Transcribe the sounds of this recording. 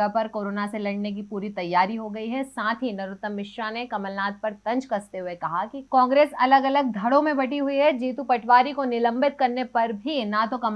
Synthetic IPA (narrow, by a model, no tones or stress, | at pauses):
əpɐɾkoːɾoːnaselɐɽnek̬ipuːɾit̪ɐjːaːɾiɦoɡɐiɦɛsãːt̪ʰɦinɐɾʊt̪ːəmːɪʃɾanekɐməlnaːt̪̚pɐɾt̪ɐ̃ɲd͡ʒkɐst̪eɦʊekɐɦakikɔ̃ːŋɡɾeːsɐləɡɐləɡ̚d̪ʱɐɽõmẽbɐʈiɦʊiɦɛd͡ʒiːt̪upɐʈʰʋaːɾikonɪlə̃mbɪt̪̚kɐɾnepɐɾbʱinat̪okɐm